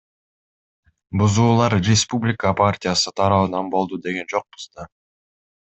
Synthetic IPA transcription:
buzuːlˠɑɾrʲɪspublʲɪkəpartʲɪjasɯt̪ʰɑɾɑβɯnɑnbo̞lˠd̪ud̪e̞ɡe̞nd͡ʒo̞q̚bu̥zd̪ɑ

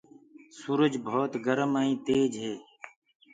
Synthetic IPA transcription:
suːɾəd͡ʒbʱoːt̪ɡəɾəmaːĩːt̪eːd͡ʒɦeː

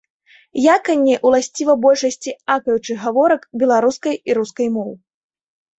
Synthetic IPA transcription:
jakɐnʲːɛʔulˠasʲt͡sʲivɐbɔlʲʂɐsʲt͡sʲiakɐjut͡ʂɨɣavɔɾɐkbʲɛlˠaɾuskɐjiɾuskɐjmɔw

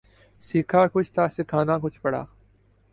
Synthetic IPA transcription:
siːkʰaːkʊt͡ʃʰt̪ʰaːsɪkʰaːnaːkʊt͡ʃʰpɐɽa̰ː

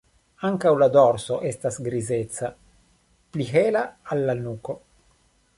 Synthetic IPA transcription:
aŋkawlad̪oɾsoʔest̪asɡɾizet̪sa | pliɦeːlaalːanuːko

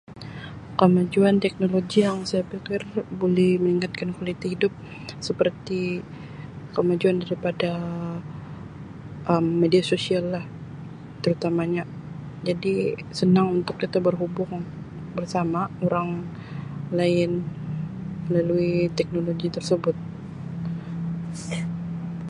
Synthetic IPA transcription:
kəmad͡ʒuant̪ɛk̚noloɡijaŋsajapikɪrbolɛhməniŋat̪̚kankalit̪ihidʊp̚ | səpərt̪i | kəmad͡ʒuandaɾipada | ʔəmːediasosialːah | t̪əɾut̪amaɲa | d͡ʒadisənaŋunt̪ʊkːit̪abərɦubʊŋ | bərsamaoɾaŋ | laɪn | məlaluit̪ɛk̚noloɡit̪ərsəbʊt̪̚

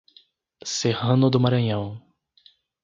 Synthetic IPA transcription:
sehɐ̃nʊd̪ʊmaɾɐ̃ɲɐ̃w̃

